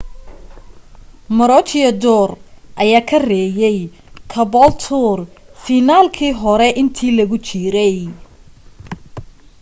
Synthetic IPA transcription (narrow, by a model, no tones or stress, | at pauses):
mɐɾɔt͡ʃɪjɐd̪ɔːrʔɐjaːkʰɐrɛːjɛj | kʰɐbɔlt̪ʰʊrfiːnaːlkʰiːɦɔɾɛʔɪnt̪ʰiːlɐɣʊt͡ʃʰɪɾɛj